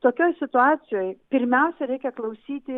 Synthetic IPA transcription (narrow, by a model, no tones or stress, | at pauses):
t̪oːkʲoːjsʲɪt̪ʊɑːsʲɪjoːjpʲɪɾʲmʲɛʊsʲɛɾʲɛɪkʲɛklˠɐʊsʲiːt̪ʲɪ